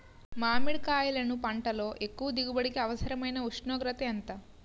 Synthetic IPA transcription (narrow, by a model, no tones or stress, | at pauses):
maːmiɭkaːjɐlɐnupɐɳʈɐlo̞ːʔekːuʋɐd̪iɡubɐɽikiɐʋɐsɐɾɐmɐjnɐuʂɳoːɡɾɐt̪eɐnt̪ɐ